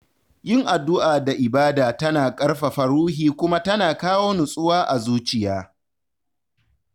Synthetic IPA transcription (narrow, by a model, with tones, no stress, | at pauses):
jɪ˦˨ŋʔa˨dːʊ˦ʔaː˨da˨ʔɪ˨baː˦daː˨tɐ˦naː˨kʼɐ˦rɸa˨ɸɐ˨ɾuː˦ɦiː˨kʷʊ˦ma˦tɐ˦naː˨kaː˦woː˦nʊ˨sʼʊ˦waː˦ʔa˨zuː˦t͡ʃɪ˨jaː˦